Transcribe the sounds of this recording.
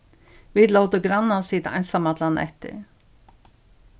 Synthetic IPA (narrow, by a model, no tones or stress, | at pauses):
vid̪lɔwt̪əɡɾanːansiːt̪ʔa̰jnsamat̪lanɛ̰ht̪ɪ̰